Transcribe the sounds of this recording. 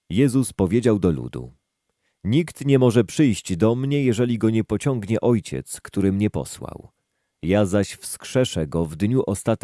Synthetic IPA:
jɛzuspɔvʲjed͡ʑawd̪ɔlṵd̪ṵ | ɲikt̪ɲɛmɔʐɛpʂɘjɕd͡ʑd̪ɔmɲɛjɛʐɛlʲiɡɔɲɛpɔt͡ɕɔŋɡɲɛʔɔjt͡ɕɛ̰t̪skt̪uɾɘmɲɛpɔ̰swa̰w | jazaɕfskʂɛʂɛɡɔvd̪ɲuʔɔst̪at̪

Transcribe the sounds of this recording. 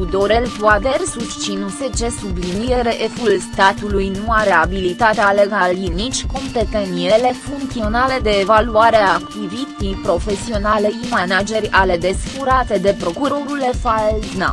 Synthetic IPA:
ud̪o̞ɾe̞lvwad̪ersust͡ʃinuse̞t͡ʃe̞sublinijeɾeʔefulst̪at̪ulujnuaɾe̞abilit̪at̪ealeɡalinit͡ʃʲko̞mpe̞t̪eniele̞fuŋkt̪sio̞nale̞d̪e̞ːvaluaɾeakuvit̪ijpɾo̞fe̞sio̞nale̞imanad͡ʒe̞rʲale̞d̪e̞sfuɾat̪e̞d̪e̞pɾo̞kuɾo̞ɾulefaelzna̰

